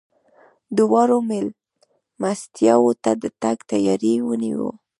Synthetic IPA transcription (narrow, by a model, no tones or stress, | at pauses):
d̪əwɑɾomel | mast̪jɑwot̪ad̪ət̪aɡt̪ajɑɾiwənḭwo̰